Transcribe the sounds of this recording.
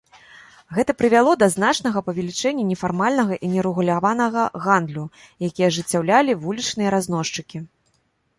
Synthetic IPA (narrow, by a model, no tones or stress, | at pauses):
ɣɛt̪ɐpɾɨvʲalˠɔd̪ɐznat͡ʂnɐɣɐpɐvʲɛlʲit͡ʂɛnʲːɐnʲɛfarmalʲnɐɣɐʔinʲɛɾɛɣulʲavanɐɣɐɣand̪lʲu | jakʲijɐʐɨt͡sʲːawlʲalʲivulʲit͡ʂnɨjɐɾazn̪ɔʂt͡ʂɨkʲi